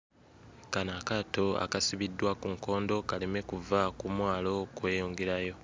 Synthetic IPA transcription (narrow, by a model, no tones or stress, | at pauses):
kanakato̞a̰kasiβidːwakuŋko̞ːndo̞kaleme̞kuvakumwaːlo̞kwe̞ːjoːŋɡeɾajo̞